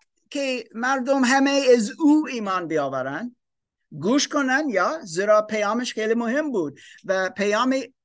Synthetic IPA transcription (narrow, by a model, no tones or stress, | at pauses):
kʲʰemæɾd̪omɦæmeæzuiːmɑːnbiɑːvæɾænd̪ | ɡuːʃkʰonænjɑːziɾɑːpʰejɑːmeʃxeːlimʊhembuːd̪̚væpʰejɑːmi